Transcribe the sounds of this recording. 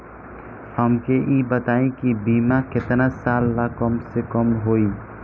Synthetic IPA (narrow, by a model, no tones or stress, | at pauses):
həmkeʔiːbət̪aːẽkibiːmakɪt̪nasaːlːakəmsekəmɦoːiː